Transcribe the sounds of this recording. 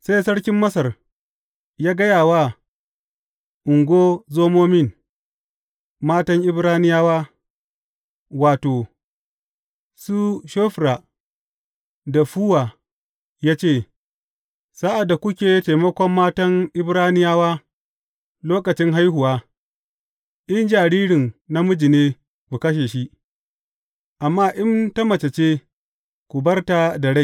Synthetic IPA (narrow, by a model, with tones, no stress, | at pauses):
sa˦jsɐ˦ɽkʲɪ˦mːɐ˦sɐ˨r | jaː˦ɡɐ˦jaː˨waː˦ | ʔʊ˨ŋɡʷoː˦zoː˦moː˦mɪ˦˨n | maː˦tɐ˦ŋʔɪ˦bɾaː˦nɪ˦jaː˦waː˦ | waː˨toː˨ | su˦ʃoː˦ɸɾa˨ | da˨ɸu˦waː˨ | jaː˦t͡ʃeː˦˨ | sa˦ʔa˨da˨kʷʊ˦kʲeː˨ta˨jmɐ˦kʷɔ˦mːaː˦tɐ˦ŋʔɪ˦bɾaː˦nɪ˦jaː˦waː˦ | loː˦kɐ˨t͡ʃɪ˦ŋɦa˦jɦʊ˨waː˦ | ʔɪ˦nd͡ʒaː˨ɽiː˦ɽɪ˨nna˦mʊ˦d͡ʒi˨neː˦ | kʷu˨kɐ˦ʃ̬eː˨ʃi˦ | ʔa˨mːaː˦ʔɪ˦ntɐ˦mɐ˨t͡ʃɐ˨t͡ʃeː˦ | kʷu˨bɐ˦rta˨da˨ɽa˦˨